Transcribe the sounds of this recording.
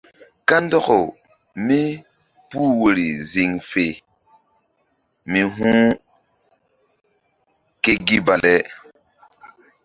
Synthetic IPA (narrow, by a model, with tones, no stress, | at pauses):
ka˦ndɔ˦ko˨ | mi˦ | pu˦wo˨ɾi˨zi˨ŋfe˨ | mi˨ɦũ˦ | ke˦ɡi˦ba˨le˦